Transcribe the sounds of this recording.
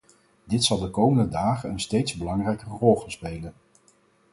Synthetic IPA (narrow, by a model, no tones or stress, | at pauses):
dɪtsɑlˠdəkowməndədaːχənənstejtzbəlɑŋrɛjkərɔlˠχənspejlən